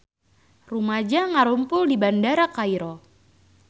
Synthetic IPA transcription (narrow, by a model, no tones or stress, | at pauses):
rumad͡ʒaŋaɾumpʊldibandaɾakaiɾɔ